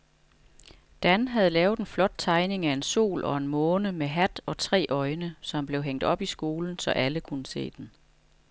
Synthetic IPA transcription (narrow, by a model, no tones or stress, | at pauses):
d̥ænɦæð̞̩ˠlɛːʊð̩ˠenflɒ̽d̥̚t͡sʰɑ̈ɪne̝ŋæe̝nso̝̰ːlʔɒ̽e̝nmɔ̽ːnəmeɦæd̥ɒ̽t͡sʰʁɛ̰ːʔɒ̽ɪnəsɒ̽mb̥le̝ʊɦeŋ̰d̥ɒ̽b̥isɡ̥o̝ːln̩sɒ̽ʔæləkʰunəse̝̰ːd̥en